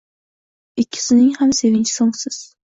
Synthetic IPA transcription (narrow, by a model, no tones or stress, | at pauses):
ɪkʲʰːɪ̥sɪnɪŋhamse̞vɪnʲt͡ʃʰɪ̥soŋsɪz̥